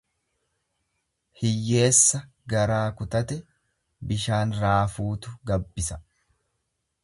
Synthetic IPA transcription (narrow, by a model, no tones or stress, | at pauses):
hɪjːe̞ːsːɐ | ɡɐɾaːkʊt̪ɐt̪ɛ | bɪʃaːnɾaːfuːt̪ʊɡɐbːɪsɐ